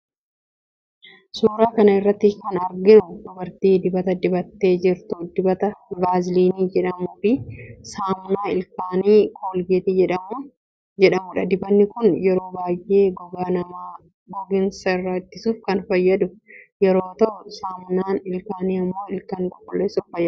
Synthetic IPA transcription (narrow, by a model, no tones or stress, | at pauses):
suːɾaːkɐnɐɪrːɐt̪ːɪkɐnɐɾɡɪnʊd̪ʊbɐɾt̪iːd̪ɪbɐt̪ɐd̪ɪbɐt̪ːe̞ːd͡ʒɪɾt̪ʊd̪ɪbɐt̪ɐbaːzɪliːniːd͡ʒɛᶑɐmuːfɪsaːmnaːɪlkaːniːkʰoːlɡeːt̪ɪd͡ʒɛᶑɐmu | d͡ʒɛᶑɐmʊᶑɐd̪ɪbɐnːɪkʊnjɛɾo̞ːbaːjʔe̞ːɡɔɡaːnɐmaː | ɡɔɡɪnsɐɪrːɐɪt̪ːɪsuːfkɐnfɐjːɐd̪ʊjɛɾo̞ːt̪ɐʔsaːmnaːnɪlkaːniːɐmːo̞ːɪlkaːnkʼɔkːɔlːeːsʊffɐjːɐ